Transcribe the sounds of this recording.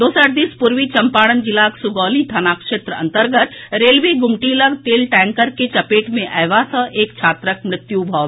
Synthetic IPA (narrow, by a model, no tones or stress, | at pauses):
d̪oːsəʈd̪ispuɾʋit͡ʃɐmpaːɽənd͡ʒɪlaːksuɡɔːlit̪ʰaːnaːkʃeːt̪ɾəɐ̰̃nt̪əɾɡət̪ɾeːlʋeɡʊmʈiləɡt̪eːlʈɛ̃ːŋkəɾket͡ʃɐpeːʈmẽʔɛːʋasə̃ʔeːkt͡ʃʰaːt̪ɾəkmɾɪt̪jubʱɔːʋ